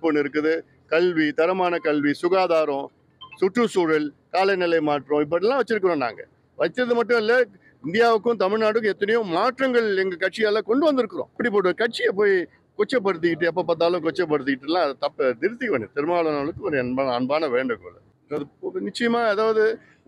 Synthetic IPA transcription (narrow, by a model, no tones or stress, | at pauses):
ponːɪɾɯkːɯðɯ | kɐlʋit̪ɐɾɐmaːnɐkɐlʋisʊɣaːðaːɾɔ̃ | sʊʈːɯsuːɻɐlkaːlɐɪnɪlɐɪmaːʈrɔ̃ɪp̬ːɐɽɪlːãːʋɐt͡ʃːɪɾɯkːɯɾõna̰ːŋɡɐ | ʋɐt͡ʃːɾɐðɯmɐʈːʊ̃ɪlːɐ | ɪnd̪ɪjaːʋɯkːʊ̃t̪ɐmɪɻnaːɽɯk̬ːʊ̃ɛt̪ːɐnɐjʊ̃maːʈɾɐŋɡɐɭɛŋɡɐkɐʈ̚t͡ʃɪjaːlɐkɔɳɖɯʋɐnd̪ɪɾɯkːɯɾõ̰ːɪpɐɽipːoːɽɯkɐʈ̚t͡ʃɪjɐp̬oːj | kɔt͡ʃːɐp̬ːɐɽɯt̪̬ːɯkɪʈ̬ːɯɛp̬ːɐːpɐt̪̬ːaːlʊ̃kɔt͡ʃːɐp̬ːɐɽɯt̪̬ːɯkɪʈːɯlãːɐðɐt̪ɐpːd̪ɪɾɯsikʋɐnːit̪ɪɾɯmaːɭɐnaːɭɯkːɯ̃ɐɾɐnbaːnɐnbaːnɐʋeːɳɖɯkːɔlɐ̰ | ɐðɯnɪt͡ʃːɐjɐmaːɛðaːʋɐðɯ